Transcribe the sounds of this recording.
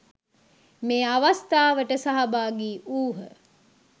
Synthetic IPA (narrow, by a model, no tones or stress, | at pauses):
meːaʋast̪aːʋəʈəsaɦabaːɡiːʔuːɦə̰